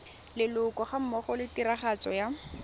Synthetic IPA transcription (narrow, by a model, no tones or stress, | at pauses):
lɪlʊkɔχam̩mɔχɔlɪtiɾaχat͡sɔ̰ja